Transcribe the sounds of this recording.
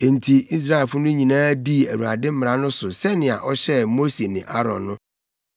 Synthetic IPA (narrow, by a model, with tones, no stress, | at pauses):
e˨n̩˨tʰi˨i˦s̬ɾa˦e˨fʊ˦nʊ̃˦ɲĩ˨nãː˦di˦æ˨wu˨a̰˨dɪ̃˦m̩˦m˨ɾa˦nʊ̃˦sʊ˨sɛ˦nɪ̃˨a̰˨ʔɔ˦ɕɛ˦mo˦se˨nɪ̃˨ʔa˦ɾɔ̰̃˨nːʊ̃˦